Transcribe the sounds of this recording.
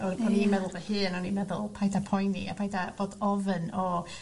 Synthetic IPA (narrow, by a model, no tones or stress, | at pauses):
ɔɔnimɛðʊlˠvɛhɨːnɔnimɛðʊlˠpʰajdapʰɔjnḭa̰pʰajdab̥oːdɔvənɔ